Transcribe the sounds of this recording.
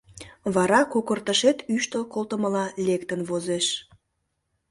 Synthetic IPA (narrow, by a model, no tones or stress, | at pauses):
βɑɾɑkokərt̪əʃet̪yʃt̪əlkolt̪əməlɑlekt̪ənβozeʃ